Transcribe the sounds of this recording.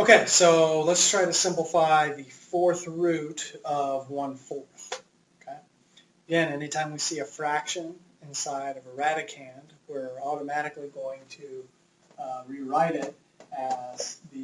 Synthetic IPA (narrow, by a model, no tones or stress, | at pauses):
oʊkʰeɪsoʊlətstʰɹ̥aɪɾɨsɪ̃mpləfaɪðɨfɔɹθɹʉɾʌvwʌ̃nfɔɹθ | oʊkʰeɪ | əɡɛ̃nɛñitʰãɪ̃mwisiɨfɹækʃɨ̃nɨ̃nsaɪɾʌvəɹæɾɨkʰæ̃nd̚wɪ˞ɔɾəmæɾɨkliɡoʊɪ̃ŋtʰɨ | ɹiɹaɪɾɪɾ | ɨz̥ðɨ